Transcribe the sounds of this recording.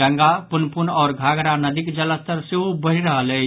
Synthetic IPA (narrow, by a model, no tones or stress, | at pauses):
əŋɡapunpunɔːɾɡʱaɡɾanəd̪ikd͡ʒələst̪əɾseɦubəɦiɾəɦələ